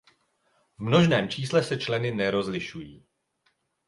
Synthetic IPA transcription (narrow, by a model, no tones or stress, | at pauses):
vmno̞ʒnɛːmt͡ʃiːslɛsɛt͡ʃlɛnɪnɛɾo̞zlɪʃujiː